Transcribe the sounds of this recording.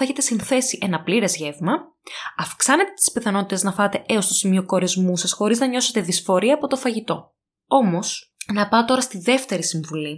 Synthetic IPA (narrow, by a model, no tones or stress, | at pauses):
eçe̞t̪e̞sinθe̞siʔe̞nɐpliɾezʝe̞vmɐ | ɐfksɐnet̪e̞t̪i̥spiθɐno̞t̪it̪e̞znɐfɐt̪e̞ʔeost̪o̞simio̞ko̞ɾezmusɐsxo̞ɾiznɐɲo̞se̞t̪eðisfo̞ɾiɐːpo̞t̪o̞fɐʝit̪o̞̰ | o̞mo̞snɐpɐot̪o̞ɾɐst̪iðe̞ft̪e̞ɾisiɱvuli